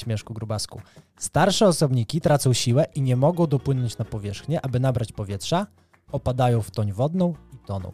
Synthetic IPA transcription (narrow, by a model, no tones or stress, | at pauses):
mʲjɛʂkuɡɾubaskṵ | st̪aɾʂɛɔsɔbɲikʲit̪ɾat̪sɔ̃w̃ɕiwɛʔiɲɛmɔɡɔ̃w̃d̪ɔpwɘnɔɲt͡ɕnapɔvʲjɛʂxɲɛʔabɘnabɾat͡ɕpɔvʲjɛtʂa | ɔpad̪ajɔ̃w̃ft̪ɔɲvɔd̪nɔ̃w̃it̪ɔnɔ̰̃w̃